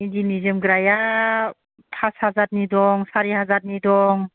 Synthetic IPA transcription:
indinizɯmɡɾaja | tʰashazat̚nidɔŋsaɾihazat̚nidɔŋ

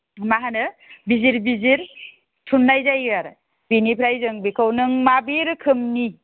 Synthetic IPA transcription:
maɦanɯbiziɾbiziɾ | tʰunːajzajɡaɾ | binipʰɾajzɯŋbikʰawnɯŋmabiɾkʰɯmni

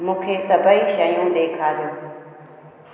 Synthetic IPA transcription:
mũːkʰeːsəbʱəiːʃəjũːɗeːkʰaːɾjũː

